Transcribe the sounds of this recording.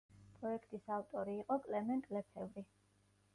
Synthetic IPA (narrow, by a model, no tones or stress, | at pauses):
pʼɾɔɛkʰt̪ʼisavt̪ʼɔɾiːqʼɔkʼlɛmɛnt̪ʼlɛpʰɛvɾi